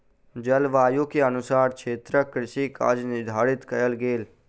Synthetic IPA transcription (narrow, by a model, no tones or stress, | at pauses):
d͡ʒəlʋaːjokeənʊsaːɾkʰeːt̪ɾəkɾɪʃika̰ːd͡ʒnɪɾd̪ʱaːɽɪt̪kɐɾəlɡeːl